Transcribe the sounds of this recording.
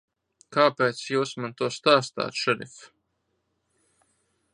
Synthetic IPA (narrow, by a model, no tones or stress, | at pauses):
kaːpeːt̪sjuːsmant̪uɔst̪aːst̪a̰ːt̪ʃɛɾḭf